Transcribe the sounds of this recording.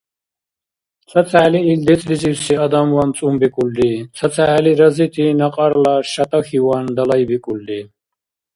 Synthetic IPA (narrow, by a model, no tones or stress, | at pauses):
t͡sʰɐt͡sʰaːliild̪it͡sʼlit͡sʼiwsiɐd̪amwant͡sʼumbikʼuld̪it͡sʰɐt͡sʰaliɾɐzit̪ʰinɐqʼɑɾlaʃɐt̪ʼaxiwand̪ɐlɐjbikʼuld̪i